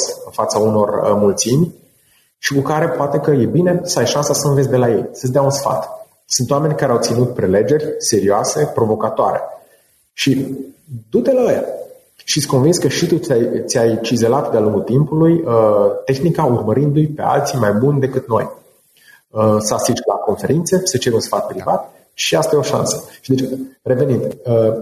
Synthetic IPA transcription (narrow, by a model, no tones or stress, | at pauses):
sɨnfat̪sauno̞rmult̪simʲ | ʃikukaɾe̞poat̪e̞kəje̞bine̞səajʃansasəɨnve̞sʲd̪e̞laje̞̰jsəsʲd̪eaunsfa̰t̪ | sunt̪owame̞nʲkaɾeawt̪sinut̪̚pɾe̞le̞d͡ʒe̞rʲse̞ɾioase̞pɾo̞vo̞kat̪oaɾe̞̰ | ʃi | d̪ut̪elə | ʃit̪sʲko̞nvinskəʃit̪ut̪ʲajt̪sʲajt͡ʃize̞lat̪d̪ealuŋɡult̪impulujət̪e̞xnikaurməɾɨnd̪ujpe̞̰a̰lt̪simajbunʲd̪e̞kɨt̪no̞j | əsəasit͡ʃlako̞nfe̞ɾint̪sesət͡ʃe̞ɾʲunsfat̪̚pɾivat̪ | ʃiast̪ajeo̞ʃa̰nsəʃid̪et͡ʃre̞ve̞nind̪ə